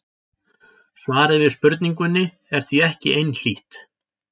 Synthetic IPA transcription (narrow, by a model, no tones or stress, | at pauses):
svaːɾɪvɪðspʏɾt̪niŋk̬ʏnːɪ | ɛɾ̥θviɛhcɪʔejnl̥iht̪